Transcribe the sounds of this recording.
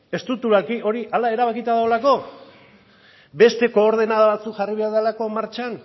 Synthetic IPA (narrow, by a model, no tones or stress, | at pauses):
e̞st̪ɾut̪ulakiʔo̞ɾiʔalae̞ɾaβakit̪aðaolako̞ | be̞st̪e̞ko̞ːɾð̞e̞naðaβat͡sukʝariβ̞e̞aɾðalako̞maɾt͡ʃan